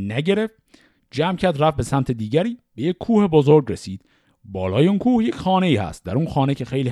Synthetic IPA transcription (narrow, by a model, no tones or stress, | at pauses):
næɟe̞ɾe̞ft̪̚ | d͡ʒæmcʰæɾd̪ræfbe̞sæmt̪ʰed̪iːɟæɾiːb̥e̞jekcʲʰːuːhebozoɾɡɾesiːd̪̥ | bɒːlɒːjeuːnkʰuːhjecxɒːne̞iːhæ̰st̪̚d̪æɾunxɒːne̞cʰe̞xejliː